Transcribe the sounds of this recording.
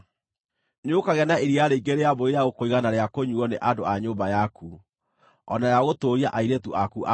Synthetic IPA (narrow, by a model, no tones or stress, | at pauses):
nokaɣɛnaeɾiaɾeiɡeɾeaboeɾjaɣokoiɣanaɾeakoɲuɔnḛʔadoaɲoːmbajakʰu | ɔnajaɣotoːɾiaʔaiɾetuʔakuʔa